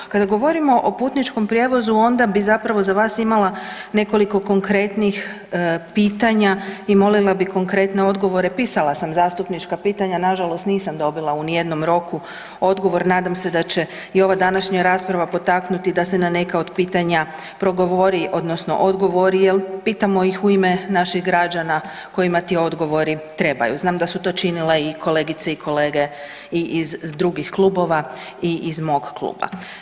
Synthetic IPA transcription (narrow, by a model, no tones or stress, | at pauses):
kad̪aɡo̞ʋo̞ɾimo̞ʔopuːt̪nit͡ʃko̞mpɾje̞ʋo̞zuo̞nd̪abizapɾaʋo̞zaʋaːsimalane̞ko̞liko̞ko̞ŋkɾe̞t̪nix | piːt̪aɲaimo̞lilˠabiko̞ŋkɾe̞t̪ne̞o̞d̪ɡo̞ʋo̞ɾe̞piːsalˠasamzaːst̪upnit͡ʃkapiːt̪aɲanaʒalo̞st̪niːsamd̪o̞bilˠaunije̞d̪no̞mɾo̞ku | o̞d̪ɡo̞ʋo̞ɾnaːd̪amse̞d̪at͡ɕe̞ | io̞ʋad̪anaʃɲaɾaspɾaʋapo̞t̪aknut̪id̪asenane̞kao̞d̪piːt̪aɲa | pɾo̞ɡo̞ʋoɾiʔo̞d̪nosno̰ʔod̪ɡo̞ʋo̞ɾijelˠpiːt̪amo̞jixuimenaʃixɡɾad͡ʒana | ko̞jimat̪io̞d̪ɡo̞ʋo̞ɾit̪ɾe̞ba̰juznaːmd̪asut̪o̞ːt͡ʃinileikʰo̞le̞ːɡit̪seikʰo̞le̞ːɡe̞ | iʔizd̪ɾuɡixklˠubo̞ʋa | iʔizmo̞ɡklˠṵːba̰